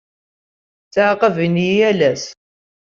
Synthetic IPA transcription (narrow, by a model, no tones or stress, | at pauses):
t͡sːaʕqəviniælæs